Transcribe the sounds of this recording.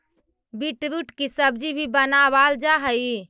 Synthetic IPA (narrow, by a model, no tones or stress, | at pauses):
biʈɾuʈkisəbd͡ʒibʱibənabald͡ʒaɦəi